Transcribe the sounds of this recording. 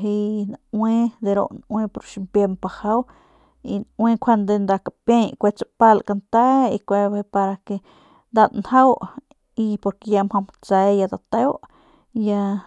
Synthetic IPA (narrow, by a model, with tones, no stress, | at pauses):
ɦi˧nawe˦d̪e˧ɾo̰˧ʔnwẽ˦po˧ɾʃi˧mpje˧mpa˧ha˦w | i˧nwẽ˦˧kʰʷa˧nd̪e˧nd̪a˧ka˨pjẽ˧jkʷe˧t͡sa˧pa˦lka˧nt̪a˦i˧kʷe˧bpa˧ɾa˧ke˧ | nd̪a˧d̪nha˦w | i˧po˧ɾke˧ja˧mho˧m | t͡sa˧ja˧d̪a˧t̪e˦wʔ | ja˧